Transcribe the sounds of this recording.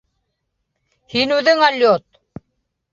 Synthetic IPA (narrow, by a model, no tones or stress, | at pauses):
hinud̪eŋaljot̪̚